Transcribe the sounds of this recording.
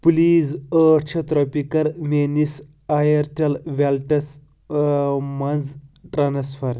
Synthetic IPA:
pliːzəɾt͡ʃʰɐt̪ɾɔpikɐɾmenis | ajɐɾʈelʋɛlʈɐs | mɐnzʈɾansfɐɾ

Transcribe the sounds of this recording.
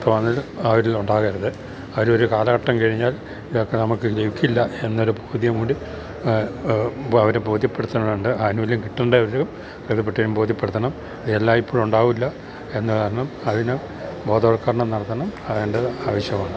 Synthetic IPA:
ɐt̪ːʋanːilɐʋɐɾiluɳɖaːɣɐɾɐðɨ | ɐʋɐɾo̞ɾukaːlɐɣɐʈːɐmkɐɻiɲːaːl | iðokːe̞nɐmukːɨleʋikʲːilːɐenːoɾuboːd̪jɐmkuɳɖi | ɐʋɐɾeboːðʱjɐpːeɽut̪ːɐɳːɐmuɳɖɨɐðinuʋilumkiʈːuɳɖɨɐʋɐɾɾem | keðɐpːeʈːɐɾumboːd̪jiɐpːeɽut̪ːɐɳɐm | ɐðielːaːmipːoːɭuɳɖaːɣumilːɐ | e̞nːɨkaːɾɐɳɐmɐðinɨ | bo̞ːd̪ɐoɽɐkːaːɾɐɳɐmnɐɽɐt̪ːɐɳɐmɐðeɳɖɐaːʋɐɕjɐmaːɳɨ

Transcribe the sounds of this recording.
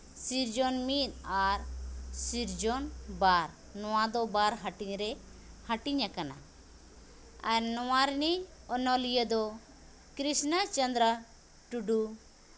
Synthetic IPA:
siɾd͡ʒɔnmit̪aɾsiɾd͡ʒɔnbaɾ | nɔwad̪ɔbaɾɦaʈiɲɾɛ | hɐʈiɲakana̰ | aɾnɔwaɾniɔnɔlijəd̪ɔ | kɾisnət͡ʃənd̪ɾə | ʈuɖu

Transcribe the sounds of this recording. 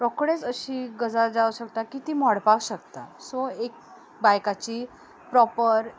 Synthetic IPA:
pɾɔkɽet͡səɕiːɡəd͡zad͡zaʋuɕəkt̪akit̪iːmɔɽpakɕəkt̪asoek̚ | bajkat͡ɕiː | pɾɔpəɾ

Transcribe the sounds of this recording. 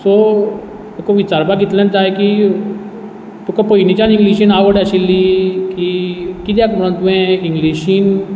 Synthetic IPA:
sɔ | ekɔʋit͡ɕaɾbakɡit̪lẽnt̪ajki | t̪ukapoinit͡ɕanĩŋɡliɕinaʋəɽaɕilːikikit̪̬jakməɽə̃nt̪uʋẽiŋɡliɕiːn

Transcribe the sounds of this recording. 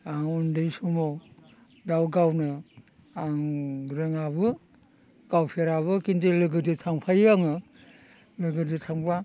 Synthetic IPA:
aŋundɯjsumɔ | dawɡawnɯ | aŋɾɯŋabɯ | ɡ̥awpʰeɾaβɯkintelɯɡɯdɯtʰaŋpʰajaŋɯ | lɯɡɯdɯtʰaŋpʰa

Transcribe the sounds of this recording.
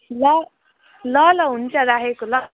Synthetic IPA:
lʌ | lʌlʌɦunt͡sʌɾaɦekolʌ

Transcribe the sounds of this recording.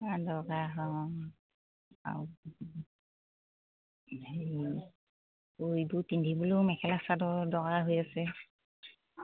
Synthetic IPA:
adɔɡaɦɔ | a̰ | e | oibuɹtindʱibulʊmɛkʰɛlasadɔɹdɔɡaɦojasɛ

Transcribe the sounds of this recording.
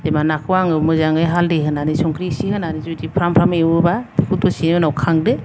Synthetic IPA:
demanakʰɯwaŋɯmɯzaŋɯjɦaldeɦɯnanisɔŋkʰɾisihɯnanizudipʰɾampʰɾamewɯbabikʰut̚bɔsinɯnawkʰaŋdɯ

